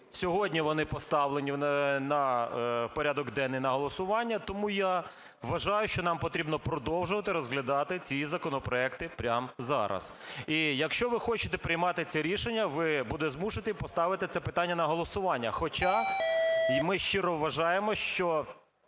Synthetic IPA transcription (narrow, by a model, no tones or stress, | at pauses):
sʲɔɦɔdʲnʲiʋɔnɪpɔst̪ɑʋlˠenʲinɐpɔɾʲad̪ɔɡd̪ɛnːɪjnɐɦɔlˠɔsʊʋɑnʲːɐt̪ɔmuja | ʋɐʒɑjʊʃt͡ʃɔnɑmpɔt̪ɾʲibnɔpɾɔd̪ɔwʒʊʋɐt̪ɪɾɔzɦlʲɐd̪ɑt̪ɪt͡sʲizɐkɔnɔpɾɔɛkt̪ɪpɾʲamzɑ̰ɾɐ̰sijɐkʃt͡ʃɔʋɪxɔt͡ʃɪ̥t̪ɛpɾɪjmɑt̪ɪt͡sʲɛɾʲiʃenʲːɐʋɪbud̪zmuʃɪt̪ɪpɔst̪ɑʋɪt̪ɪt̪sɛpɪt̪ɑnʲːɐnɐɦɔlˠɔsʊʋɑnʲːɐxɔt͡ʃɑ | mɪʃt͡ʃɪɾɔʋːɐʒɑjemɔʃt͡ʃɔ